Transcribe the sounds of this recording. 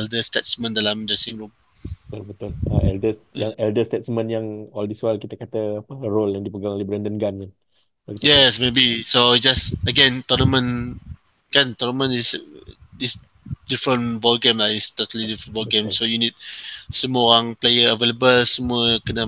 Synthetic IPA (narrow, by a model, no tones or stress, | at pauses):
ɛldəstɛtsmə̃ndalãmdəsẽmɹum | ət̪olbət̪ʊla̰ɛldəsjaŋɛldəstɛtsmə̃njaŋɔldiswəlkit̪əkat̪əːpəɹoljãŋdipəɡaŋolebɾɛndənɡankan | jɛsmebisoit̚d͡ʒasəɡɛ̃nt̪ɔnəmə̃n | kant̪ɔnəmə̃nis | is | difɹə̃nbɔlɡẽmlaist̪ɔt̪əlidifɹə̃nbɔlɡẽmsojunid̚səmuəoɾãŋplejəəveləbəlsəmuəkənə